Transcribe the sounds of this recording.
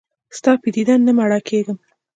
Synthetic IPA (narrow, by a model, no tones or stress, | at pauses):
st̪ɑpid̪id̪anːamaɽɑkʰeɡəm